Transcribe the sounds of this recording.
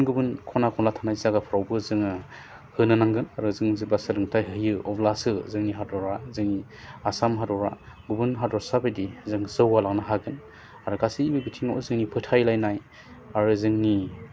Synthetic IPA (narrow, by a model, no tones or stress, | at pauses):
nɡubɯnkʰɔnakʰɔnlatʰanajzzaɡapʰɾawbɯzɯŋɯ | hɯnɯnaŋɡɯnaɾɯzɯŋzɯbasɯlɯŋtʰajɦɯjɯɔblasɯzɯŋniɦadɔɾazɯŋni | asamɦadɔɾa̰ɡubɯnɦadɔɾsabɯjdizɯŋzɯwalaŋnaɦaɡɯn | aɾuɡasiibɯbitʰiŋaʔɔ̰zɯŋnipʰɯtʰajlajnaj | aɾɯzɯŋni